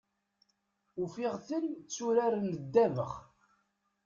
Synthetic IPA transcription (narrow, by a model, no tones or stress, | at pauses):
ufɪʁθəlt͡sːuɾaɾnəd̪ːævə̰χ